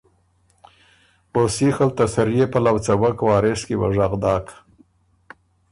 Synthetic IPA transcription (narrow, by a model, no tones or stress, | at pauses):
osixalt̪asaɾijepəlawt͡sawakwɑːɾeskewa̰ʐaɣd̪ɑːk